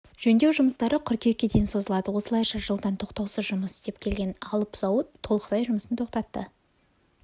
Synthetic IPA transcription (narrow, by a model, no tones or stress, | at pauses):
ʒ̥ɵnd̪e̞wʒʊməst̪ɑɾəqʰʏɾkʲʰe̞kʲːe̞d̪ejnso̞zəlˠɑd̪əwo̞səlˠɑjʃɑʒəlˠd̪ɑnt̪ʰo̞qt̪ɑwsəʒʊməsst̪ep̚kʲʰe̞lɡʲe̞nɑlˠəpsɑwət̪ʰːo̞lˠəqəd̪ɑjʒʊməsənt̪ʰo̞qt̪ɑt̪ːə̰